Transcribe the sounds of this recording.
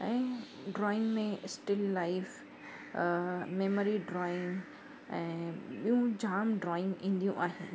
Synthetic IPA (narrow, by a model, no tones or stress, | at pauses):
ɛ̃ː | ɖɾɔːɪ̃ŋɡmẽsʈɪlːaɪf | meːmoɾiɖɾɔːɪ̃ŋɡ | ɛ̃ːɓijũd͡ʑaːmɖɾɔːɪ̃ŋɡĩːnd̪ijũʔaːɦĩː